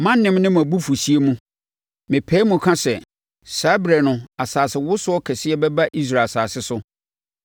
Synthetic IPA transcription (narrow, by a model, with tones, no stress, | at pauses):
mã˦n˦nɪ̃˦mnɪ̃˦m˨æ˨bu˦fu˨si˦e˦mũ˦ | mɪ̃˨pʰɛː˦mũ˨kʰã˦sɛ˨ | saː˨˦bɾɛ˨nʊ̃˨a˨saː˨sɪ˨wʊ˦sʊ˦ɔ˦kʰɛ˨sɪ˦ɛ˦bɛ˦ba˦ʔi˦s̬ɾa˨saː˨sɪ˦sʊ˦